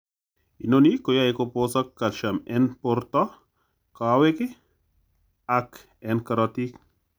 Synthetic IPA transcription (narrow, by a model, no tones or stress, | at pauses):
ḭnonikojaekoposakːalʃamɛnpoɾt̪ɔ | kaweke | ak | ɛnkaɾɔt̪ik